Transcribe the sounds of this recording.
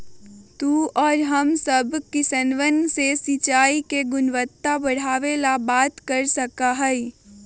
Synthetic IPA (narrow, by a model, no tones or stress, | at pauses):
t̪uːɔːɾɦəmsəbkisənʋənsesit͡ʃaːikeɡʊnʋət̪ːabɐɽ̤aːʋelabaːt̪kəɾsəkaɦɛi